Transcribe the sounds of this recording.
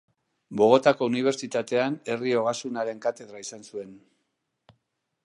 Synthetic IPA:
bo̞ɣo̞t̪ako̞uniβ̞e̞ɾt͡ʃit̪at̪e̞ane̞rio̞ɣasunaɾe̞ŋkat̪e̞ð̞ɾaisansue̞n

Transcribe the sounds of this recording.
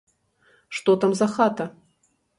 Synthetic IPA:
ʂt̪ot̪amzɐxat̪ɐ

